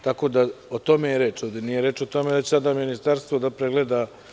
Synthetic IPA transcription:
t̪ako̞ːd̪aot̪o̞mejeɾeːt͡ʃoʋd̪ʲenijeɾe̞ːt͡ʃot̪o̞med̪at͡ɕesad̪aminist̪aɾst̪vo̞d̪apɾeɡle̞d̪a

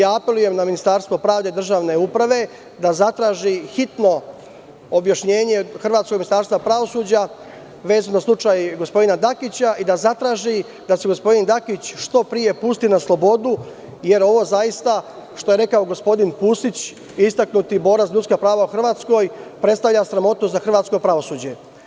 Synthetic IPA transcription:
jaːape̞luje̞mnaminist̪aːɾst̪ʋo̞pɾaːʋd̪e̞id̪r̩ʒaːʋne̞upɾaʋe̞ | d̪azat̪ɾaːʒixit̪no̞ | objaʃɲe̞ːɲe̞xr̩ʋaːt̪skoɡminist̪aːɾst̪ʋapɾaʋo̞suːd͡ʑa | ʋe̞ːzunaslˠut͡ʃajɡo̞spo̞d̪inad̪akit͡ɕaʔid̪azat̪ɾaːʒi | d̪aseɡo̞spo̞d̪ind̪akit͡ɕʃt̪o̞pɾije̞puːst̪inaslˠo̞bo̞d̪u | je̞ɾo̞ʋo̞zajist̪a | ʃt̪o̞je̞ɾe̞kao̞ɡo̞spo̞d̪inpuːst̪it͡ɕ | ist̪aknut̪ibo̞ːɾazʎut̪skapɾaːʋaoxr̩ʋaːt̪sko̞jpɾe̞t̪st̪aʋʎasɾamo̞t̪nuzzaxrʋaːt̪sko̞pɾaʋo̞suːd͡ʑe̞

